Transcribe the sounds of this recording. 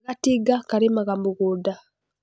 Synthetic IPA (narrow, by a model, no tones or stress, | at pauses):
ɣatiɡakaɾimaɣambuɣuda